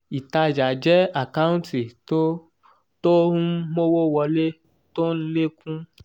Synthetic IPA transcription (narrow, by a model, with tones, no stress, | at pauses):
i˨ta˧d͡ʒa˨d͡ʒɛ˨˦a˨ka˦ũ˦nti˨o˦ | tõ˦mo˦wo˦wɔ˧le˦ | to˦n̩˦le˦kʰũ˦